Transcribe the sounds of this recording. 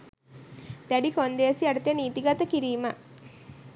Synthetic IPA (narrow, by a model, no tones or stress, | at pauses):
t̪æɖikond̪eəsiɐɽut̪eniːt̪iɡat̪əkiɾiːmə